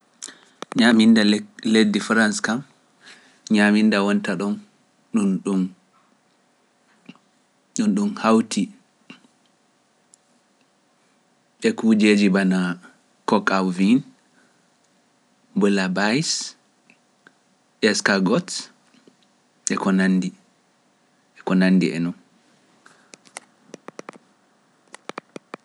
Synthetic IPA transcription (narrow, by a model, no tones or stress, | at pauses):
ɲamindaledːifɾanskam | ɲamindawɔntaɗɔn | ɗunɗum | ɗunɗumhawtʰi | ɓɛkud͡ʒeːd͡ʒibana | kɔkawvin | bɔlabajs | ʔɛskaɡɔt | ɛkɔnandi | ɛkɔnanːdḭʔɛ̰nɔn